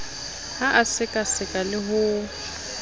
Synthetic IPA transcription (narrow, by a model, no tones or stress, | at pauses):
haʔasɪkʼasɪkʼalɪɦʊ